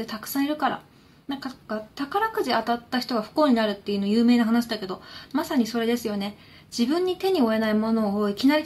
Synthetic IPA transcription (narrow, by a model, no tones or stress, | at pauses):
et̪akɯ̟̥sãɰ̃iɾɯ̟kaɾa̰ | nãŋkakat̪akaɾakɯ̟ʑiat̪at̪ːaçʲi̥t̪o̞ɡaɸɯ̥ko̞ːɲ̟inaɾɯ̟t̪ːe̞iɯ̟no̞ːjɯːme̞ːnaɦanaɕid̪ake̞d̪o̞masaɲ̟iso̞ɾe̞d̪e̞sɨjo̞ne̞ | d͡ʑibɯ̟̃ɲ̟ːit̪e̞ɲ̟io̞e̞naimo̞no̞ːoikʲinaɾʲi